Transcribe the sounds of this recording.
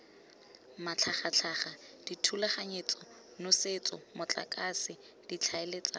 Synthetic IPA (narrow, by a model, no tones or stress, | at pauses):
mat͡ɬʰaχat͡ɬʰaχad̥itʰulaχaɲet͡sʼɔ | nʊset͡sʼɔmʊt͡ɬʼa̰kʼasɪ | d̥it͡ɬʰaelet͡sʼa